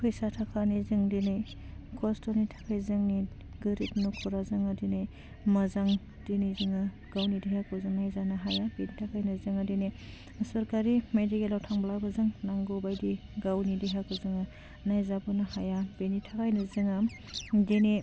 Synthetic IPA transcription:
kʰɯjsatʰakʰanizɯŋdine | kʰɔstɔnitʰḁkʰajzɯŋni | ɡɯɾip̚nukʰɔɾazɯŋadine | mɐzaŋ | dinizɯŋa | ɡ̥awnidihakʰɯzɯŋnajzanaɦajabenitʰakʰajnɯzɯŋadine | sɔɾkaɾimedikelawtʰaŋblabazɯŋnaŋɡobajdiɡawnidiɦakɯzɯŋa | najzabɔnahajabenitʰakʰajnɯzɯŋa | deni

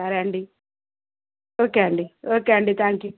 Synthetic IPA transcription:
aɾɐɳɖi | oːkeɐɳɖioːkeɐɳɖit̪ʰaːŋkju

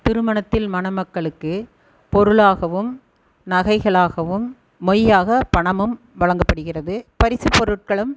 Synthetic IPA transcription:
t̪ɪɾɯmɐɳɐt̪ːɪlmɐnɐmɐkːɐɭɯkːɯ | pɔɾɯɭaːɣɐʋɯm | nɐɣɐɪɣɐɭaːɣɐʋɯmː | ɔjaːɣɐpɐɳɐmɯm | ʋɐɭɐŋɡɐpːɐɽɯɣɪrɐðɯpɐɾɪsɯpɔɾɯʈ̚kɐɭɯm

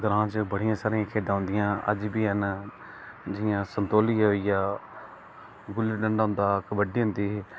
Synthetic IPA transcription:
ɡəɾãːt͡ʃbəɽɪjãːsaːɾijãːkʰeːd̪ãːɦʊ̃nd̪ɪjãːʔə̰d͡ʒbiːɦən | d͡ʒɪjãːsənt̪oːliːɦoːijaː | ɡʊlɖəɳɖʊ̃ːnd̪aːkʋəɖiːɦʊ̃nd̪iː

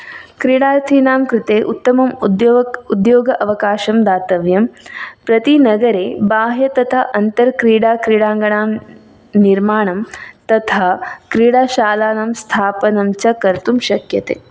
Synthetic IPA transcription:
kɾiɽaːɾt̪ʰinaːmkɾɪt̪eːʔut̪ːɐmɐmud̪jud̪joːɡɐʔɐʋɐkaːʃɐmd̪aːt̪ɐʋjɐmpɾɐt̪inɐɡɐɾeːbaːɦjɐt̪ɐt̪ʰaʔɐnt̪ɐɾkɾiːɽaːkɾiːɽaːŋɡɐɳaːm | niɾmaːɳɐmt̪ɐt̪ʰakɾiːɽaːʃaːlaːnamst̪ʰaːpɐnɐmt͡ʃɐkɐɾt̪umʃɐkjɐt̪ḛː

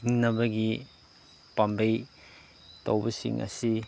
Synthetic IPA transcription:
ŋnɐbɐɡi | pɐmbej | tɐ̰wbɐsḭŋʔɐ̰si

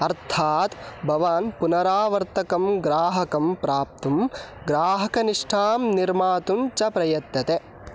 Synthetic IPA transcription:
ɐɾt̪ʰaːt̪bʱɐʋaːnpunɐɾaːʋɐɾt̪ɐkɐmɡɾaːɦɐkɐmpɾaːp̚t̪umɡɾaːɦɐkɐniʂʈʰaːmniɾmaːt̪uɲt͡ʃɐpɾɐjɐt̪jɐt̪e

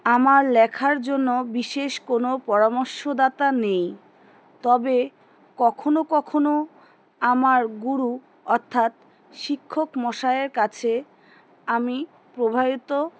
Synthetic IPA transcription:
amaɾlɛkʰaɾd͡ʑonːobiʃeʃkonopɔɾamoɾʃod̪at̪anej | t̪ɔbe | kɔkʰonokɔkʰono | amaɾɡuɾu | ɔɾt̪ʰːat̪̚ | ʃikʰːokmɔʃaeɾkat͡ɕʰe | ami | pɾobʱabit̪o

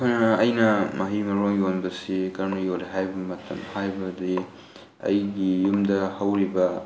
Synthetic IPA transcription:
kanɐɐjnɐmʔɐɦimɐɾojonbɐsikɐɾnujoliɦajbɐmɐtʰɐmhajbɐdi | ɐ̰jɡijumdɐhɐwɾibɐ

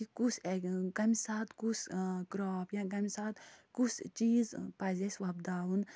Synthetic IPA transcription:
ikusekɐmisaːt̪kuskɾɔːpjãɡɐmisaːt̪kust͡ʃiːzpɐzʲesʲʋɐb̚d̪aːwun

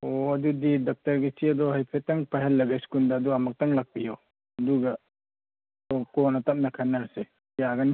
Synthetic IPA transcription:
oɐdudidak̚tɐɾɡisiɐdɔɦajpʰetaŋpaɦelːɐɡeskundaːduamak̚taŋlak̚pijɔ | ɐduɡɐ | okɔnɐtap̚nɐkʰanːase | jaɡɐn

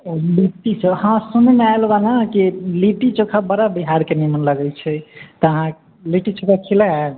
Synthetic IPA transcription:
liʈisəhãsunemeaelbanakiliʈit͡ʃokʰabəɽabiɦaɾkenimənləɡɛlt͡ʃʰɛt̪ɔəɦã | liʈit͡ʃokʰakʰilaae

